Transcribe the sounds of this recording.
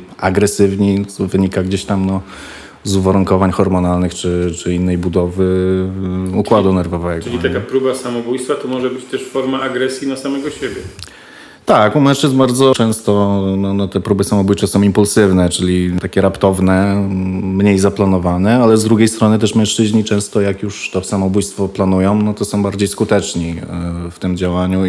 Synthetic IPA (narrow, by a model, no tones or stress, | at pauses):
aɡɾɛsɘvɲivɘɲikaɡd͡ʑeɕt̪amnɔ | zuvaɾuŋkɔvaɲxɔɾmɔnalnɘxt͡ʂɘt͡ʂɘinːɛjbud̪ɔvɘ | ukwad̪unɛɾvɔvɛɡɔɨlʲit̪akapɾubasamɔbujst̪fat̪ɔmɔʐɛbɘt͡ɕt̪ɛʂfɔɾmaaɡɾɛsʲjinasamɛɡɔɕebʲjɛ | t̪akumɛ̃ʂt͡ʂɘzbaɾd̪zɔt͡ʂɛ̃w̃st̪ɔnɔnɔt̪ɛpɾubɘsamɔbujt͡ʂasɔ̃w̃impulsɘvnɛt͡ʂɘlʲit̪akʲɛɾapt̪ɔvnɛ | mɲejzaplanɔvanɛalɛzd̪ɾuɡʲejst̪ɾɔnɘt̪̬ɛʂmʲɛ̃ʂt͡ʂɘʑɲit͡ʂɛ̃w̃st̪ɔjakjuʂt̪ɔsamɔbujst̪fɔplan̪ujɔ̃w̃nɔt̪ɔsɔ̃w̃baɾd͡ʑejskut̪ɛt͡ʂɲift̪ɘmd͡ʑawaɲu